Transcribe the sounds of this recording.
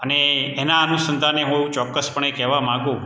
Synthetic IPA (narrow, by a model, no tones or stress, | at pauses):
əneenaənusənd̪ʱaneɦũeʋũt͡ʃɔkːəspəɳekɛʋamãɡũ